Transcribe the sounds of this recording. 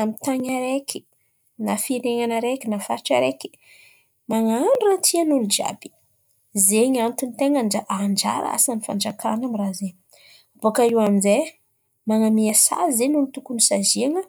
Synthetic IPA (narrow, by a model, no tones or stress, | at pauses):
amit̪aɲaɾekʲʰi̥ | nafiɾeŋanaɾekinafaɾiʈ͡ʂaɾeki̥ | maŋanɖ͡ʐuɾat̪ʰianunud͡ʒa̰bi̥ | zeɲant̪unit̪eŋənaʔand͡ʒa̰ɾa̰a̰sanifa̰nd͡ʒakʰanamiraze | ab̥okaiwaminze | maŋamiasa̰zenunit̪ukunisaziaŋə